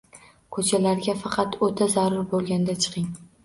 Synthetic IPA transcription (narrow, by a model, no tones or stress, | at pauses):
kʰɵt͡ʃʰalaɾɡʲafɑqʰɑt̪ot̪ʰazaɾʊɾbolˠɡʲand̪at͡ʃʰɨ̥qʰɪŋ